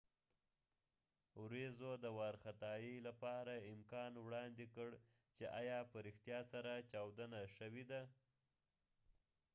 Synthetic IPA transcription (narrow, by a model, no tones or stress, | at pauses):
wɾezod̪əwaɾxat̪ɑjilapɑɾaɪmkɑnwɽɑnd̪ekəɽ | t͡ʃeʔɑjɑpəɾɪxt̪jɑsaɾat͡ʃɑwd̪ənaʃəwed̪a